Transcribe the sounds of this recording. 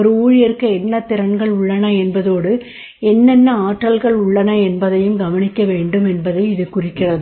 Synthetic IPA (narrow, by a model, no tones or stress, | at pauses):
ɔɾɯuːɻɪjɛɾɯkːɐɛnːɐt̪ːɪɾɐɳɡɐɭʊɭːɐnɐɛnbɐðoːɽɯ | ɛnːɛnːɐaːʈrɐlɣɐɭʊɭːɐnɐɛnbɐðɐjɯmɡɐʋɐnɪkːɐʋeːɳɖɯmɛnbɐðɐɪɪðɯkʊrɪkːɪrɐðɯ